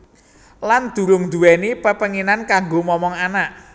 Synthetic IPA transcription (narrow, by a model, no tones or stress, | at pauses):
land̪̥ṳɾʊŋd̪uwɛnepəpəŋinankaŋɡomɔmɔŋanaʔ